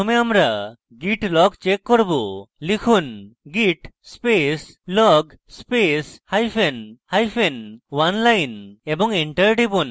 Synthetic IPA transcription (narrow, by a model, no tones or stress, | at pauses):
ɔmeamɾa | ɡiʈlɔɡt͡ʃekːɔɾbulikʰunɡiʈspes | lɔɡ | speshajpʰenhajpʰenwanlajnebɔŋeɳʈəɾɖibun